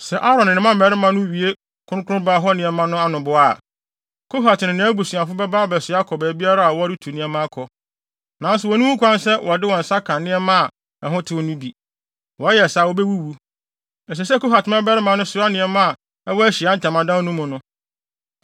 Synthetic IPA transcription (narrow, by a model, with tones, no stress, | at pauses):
sɛ˨ʔa˦ɾɔ̃˨nɪ˨nɪ̃˨mã˦m̩˨ɛ˨˦ɾɪ˦mã˦nʊ̃˦ɥi˨e˦ | kʰʊ̃˦ʊ̃˦kʰʊ˦ʊ̃˦ba˦ɦɔ˦nɪ̃˨ɛ˦mã˦nʊ̃˦a˦nʊ̃˨bʊ˨a˨ | kʰo˦ɦa˨tʰɪ˨nɪ̃˨nɪ̃˨˦æ˦bu˨su˨a˨fʊ˦bɛ˦baː˦bɛ˨sɪ˨˦a˦kʰɔ˨bɛː˨bi˦a˦ɾa˦a˨wɔ˦ɾɪ˦tʰu˨nɪ̃˦ɛ˦mã˦kʰɔ˨ | nã˨˦n˦sʊ˨wɔ˨nʊ̃˦wu˦kʰʷã˦n˦sɛ˦wʔɔ˨dɪ˦wɔ˨n̩˨sa˦kʰã˨nɪ̃˦ɛ˦mã˦a˨ | ɛ˨ɦʊ̃˦tʰɪ˦ɔ˦nũ˦bi˨ | wɔ˨˦jɛ˨saː˨wɔ˦bɛ˦wu˦wu˨ | ɛ˨s̬ɛ˨s̬ɛ˦ko˦ɦa˨tʰɪ˨mã˦bɛ˦ɾɪ˦mã˨nʊ̃˦sʊ˨ɾa˦nɪ̃˨ɛ˦mã˦a˨ | ɛ˦wɔ˦æ˦ɕi˨a˨˦n̩˦˨tʰã˨mã˨dã˦nũ˦mʊ̃˨nʊ̃˦